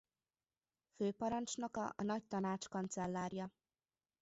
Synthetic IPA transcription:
føːpɒɾɒnt͡ʃnɒkɒ̰ʔɒnɒc̚t̪ɒnaːt͡ʃkɒnt̪sɛlːaːɾjɒ

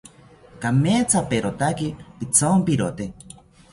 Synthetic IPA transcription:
kameːt͡sapeɾot̪akipit͡sompiɾot̪e

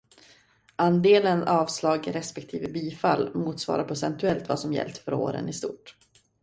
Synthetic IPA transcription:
and̪eːlənɑːvslɑːɡɾɛspɛkt̪ʰiːvəbiːfalːmuːt̪svɑ̰ːɾapʰɾʊsɛnt̪ɵɛlt̪vasɔmjɛ̰lt̪fœɾo̰ːɾə̰nɪst̪uːʈ

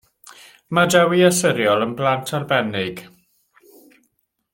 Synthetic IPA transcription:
madɛwiasɪɾjɔlˠənblˠantʰarbɛnɪɡ̥

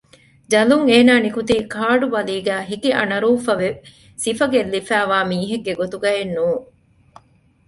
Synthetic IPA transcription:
d͡ʒɐluŋeːnaːnikut̪iːkʰaːɖubɐliːɡæːɦikiʔɐ̰nɐɾuːfɐʋe | sifɐɡelːifæːʋaːmiːɦeɡːeɡot̪uɡɐɦenːuː

